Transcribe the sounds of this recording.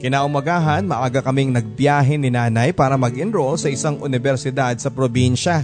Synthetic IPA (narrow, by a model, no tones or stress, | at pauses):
kɪnaːʔʊmɐɡaːɦɐnmɐʔaːɡɐkɐmɪŋnɐɡ̚bjaːɦɛnɪnaːnɐjpaːɾɐmɐɡʔɪnɾolsɐʔɪsaŋʔʊnɪbɛɾsɪd̪ad̪̚sɐpɾobinʃɐ